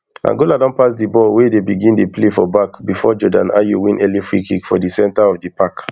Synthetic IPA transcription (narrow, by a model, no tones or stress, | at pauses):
ã̰ŋɡoladɔ̃npasdibɔlwɛdebiɡĩndeplefɔbakbifɔd͡ʒɔdã̰na̰juwĩnɛlifɹikikfɔdisɛ̃ntaɔvdipak